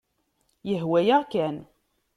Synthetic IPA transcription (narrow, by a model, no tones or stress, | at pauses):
jəɦwæjæʁkæn